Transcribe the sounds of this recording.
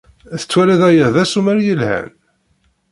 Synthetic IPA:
æθə̥t͡sːwælæðæjəʁðæsumæɾjəlhæ̰n

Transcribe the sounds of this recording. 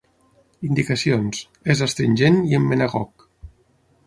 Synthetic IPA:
ind̪ikəsionz | ezəst̪ɾiɲʲʒeniəmːənaɣɔk

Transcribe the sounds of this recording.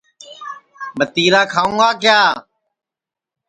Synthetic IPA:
mət̪iːɾaːkʰaːũŋɡaːkɪjaː

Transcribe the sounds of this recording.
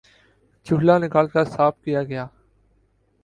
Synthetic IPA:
t͡ʃʊɦlanɪkaːlkasaːp̚ʰkijaːɡɐjaː

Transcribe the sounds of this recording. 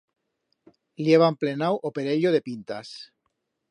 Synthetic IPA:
ljeβ̞amplenawʔopeɾeʎoðe̞pint̪as

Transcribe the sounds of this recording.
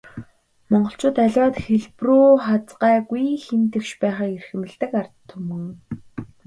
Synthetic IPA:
mɔɴɢɞ̆ɬt͡ɕʰʊːt̪æɮʲwaːt̪xeɮpruːχat͡sɢaːɡujxent̪ɘ̆kʃpæːχaːerxɘ̆mɘ̆ɮt̪ɘ̆kart̪ʰːɵmɵ̆ŋ

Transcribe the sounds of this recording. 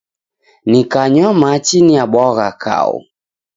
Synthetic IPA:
nikaɲwamat͡ʃiniaɓɔɣakʰa̰ṵ

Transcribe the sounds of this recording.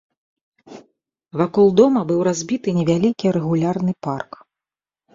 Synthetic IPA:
vakɔlˠd̪ɔmɐbɨwɾazʲbʲit̪ɨnʲɛvʲalʲikʲiɾɛɣulʲarnɨpark

